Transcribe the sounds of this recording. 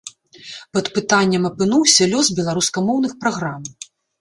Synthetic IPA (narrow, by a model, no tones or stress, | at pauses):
pɐt̪pɨt̪anʲːɐmɐpɨnuwsʲɐlʲɔzbʲɛlˠaɾuskɐmɔwn̪ɨxpɾaɣɾam